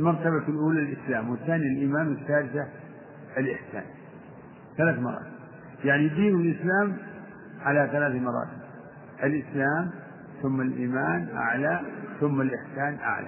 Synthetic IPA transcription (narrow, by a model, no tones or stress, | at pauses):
lmɑɾˤt̪aβafilʔuːlalʔɪslaːmwɪθːaːnijalʔiːmaːnwɪθːaːɾɪθa | ɪlʔɪħsa̰ːn | θalaːθmɑɾˤɑ̰ːt̪b | jaʕnid̪iːnwɪlʔɪslaːm | ʕalaθalaːθmɑɾˤɑ̰ːt̪ɪb | ʔalʔɪslaːm | θʊmːalʔiːmaːnʔa̰ʕlaθʊmːalʔɪħsaːnʔa̰ʕla̰